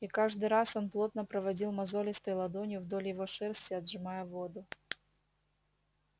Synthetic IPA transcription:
ikaʐd̪ɨɾasonplˠot̪̚nɐpɾɐvɐdʲilˠmɐzolʲɪst̪ɐjlˠɐd̪onʲjʊvd̪olʲɪjɪvoʂɛrsʲt̪ʲɪɐd̪ʐɨmajɛvod̪ʊ

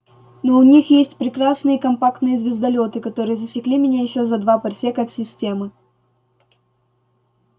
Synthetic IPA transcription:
noʊnʲixjesʲtʲpɾʲɪkrasnɨjəkɐmpakt̪nɨjəzʲvʲɪzd̪ɐlʲo̞t̪ɨkɐt̪o̞ɾɨjəzəsʲɪklʲimʲɪnʲajɪɕːozɐd̪vapɐrʲsʲekəɐt̪sʲɪsʲtʲe̞mɨ

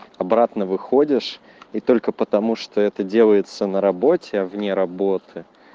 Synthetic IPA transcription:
ɐbɾat̪nəvɨxodʲɪʂ | it̪o̞lʲkəpət̪ɐmuʂt̪o̞ɛt̪ədʲe̞lˠəjɪt̪sənəɾɐbo̞tʲɪavnʲeɾɐbot̪ʰɨ

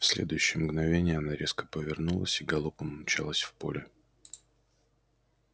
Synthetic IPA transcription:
fsʲlʲḛd̪ʊjʉɕːɪjəmɡnɐvʲenʲɪjəɐnaɾʲe̞skə̥pəvʲɪrnulˠə̰sʲiɡɐlˠupəmnʊt͡ɕalˠəsʲfpo̞̰lʲɪ

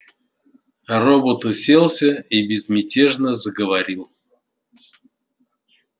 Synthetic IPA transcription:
robot̪ʊsʲelˠsʲəibʲɪzmʲɪtʲeʐnəzəɡəvaɾʲilˠ

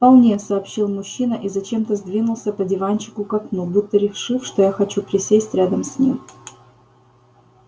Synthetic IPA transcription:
fpɐlˠnʲesɐːpɕːilˠmʊɕːinəʔizɐt͡ɕe̞mt̪əzʲd̪vʲinʊlˠsʲəpədʲɪvant͡ɕɪ̥kʊkɐknuɡbut̪ːəɾʲɪʂɨfʂt̪ojaxɐt͡ɕupʲɾʲɪsʲesʲtʲɾʲad̪əmsʲnʲim

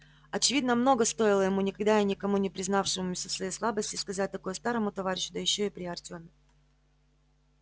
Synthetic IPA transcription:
ɐt͡ɕɪvʲid̪nəmno̞ɡəst̪o̞jɪlˠəjɪmunʲɪkɐɡd̪ajanʲɪkɐmunʲɪpɾʲɪznafʂɨmʊmʲʊsʲəfsvɐjejslˠabəsʲtʲɪskɐzat̚ʲt̪ɐko̞jəst̪aɾəmʊt̪ɐvaɾʲɪɕːʊd̪əjɪɕːo̞ɪpɾʲɪɐrtʲomʲɪ

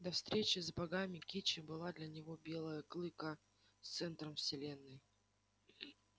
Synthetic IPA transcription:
d̪ɐfst̪ɾʲet͡ɕɪzbɐɡamʲɪkʲit͡ɕɪbɨlˠad̪lʲɐnʲɪvobʲe̞lˠəjəklˠɨkə | st̪sɛnt̪ɾəmfsʲɪlʲenːɨj

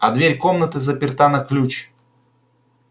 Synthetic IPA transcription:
ɐd̪vʲeɾʲkomnət̪ɨzəpʲɪrt̪anɐklʲut͡ɕ

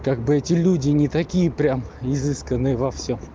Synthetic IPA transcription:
kaɡ̚bɨɛtʲɪlʲudʲɪnʲɪt̪ɐkʲijəpɾʲamɪzɨskənːɨjəvɐfsʲom

